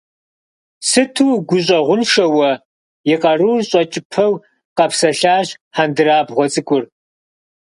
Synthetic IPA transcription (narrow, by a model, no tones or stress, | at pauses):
sɨtʰuːɡʷʊɕ̬ʼɐʁʷʊnʃɐwɐ | jɪqʼɐruːrɕʼɐt͡ʃʼɪpʰɐw | qɐpsɐɬaːʑħandɨraːbʁʷɔt͡sʼɨkʷʼʊr